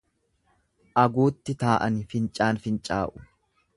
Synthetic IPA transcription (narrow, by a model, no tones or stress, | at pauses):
ʔɐɡuːt̪ːɪt̪aːʔɐnɪfɪnt͡ʃʼaːnfɪnt͡ʃʼaːʔʊ̥